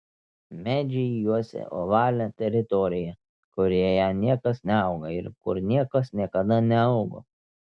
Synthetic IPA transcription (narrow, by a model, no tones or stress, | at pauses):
mʲæːd͡ʒʲɛjuɔsʲɛ̰ʔo̰ːʋɑːlʲɛt̪ʲɛɾʲɪt̪ɔɾʲɪjɛ | kʊɾʲejæːnʲiɛkɐsnʲɛɐʊɡɐɪɾkʊɾnʲiɛkɐsnʲiɛkɐd̪ɐnʲɛɐʊɡo̰ː